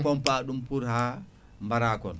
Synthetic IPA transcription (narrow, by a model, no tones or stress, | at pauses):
kɔmpaɗumpuɾha | mbaɾakɔn